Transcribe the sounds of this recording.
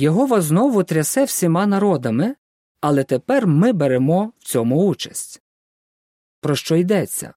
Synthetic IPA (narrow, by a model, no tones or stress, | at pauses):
jɔɦɔʋɐznɔʋʊt̪ɾʲɐsɛwsʲimɑnɐɾɔd̪ɐmɪ | ɐlˠɛt̪epɛrmɪbeɾemɔwt͡sʲɔmʊut͡ʃɐ̥sʲtʲ | pɾɔʃt͡ʃɔid̪ɛt͡sʲːɐ̰